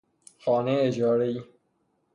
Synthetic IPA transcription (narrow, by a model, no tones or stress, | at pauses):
xɔːneed͡ʒɒːɾei